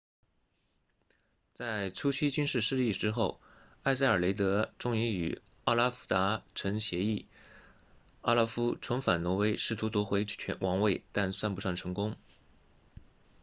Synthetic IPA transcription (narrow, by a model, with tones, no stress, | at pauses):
t͡sa˥˩ɪt͡sʰu˥t͡ɕʰi˥t͡ɕy˥nʂɻ̩˥˧ʂɻ̩˥˧li˥˩ʈ͡ʂɻ̩˥xo˥˩ʊa˥˧ɪs̬a˥˩ɪə˞˨˩le˧˥ɪt̪ɤ˧˥ʈ͡ʂʊ˥ŋi˧˥y̰˨˩ | a˥˧la˥fu̥˥t̪a˧˥ʈ͡ʂʰɤ˧˥ŋɕjɛ˧˥i˥˩ | a˥˩la˥fu˥ʈ͡ʂʰʊ˧˥ŋfa˨˩nwɔ˧˥we˥ɪʂɻ̩˥˩t̪ʰu˧˥t̪wɔ˧˥xwe˧˥ɪ˩t͡ɕʰɛ˧˥nwʔɑ˧˥ŋwe˥˩ɪt̪a˥˧nswa˥˩npu˧˥ʂɑ˥˩ŋʈ͡ʂʰɤ˧˥ŋkʊ˥ŋ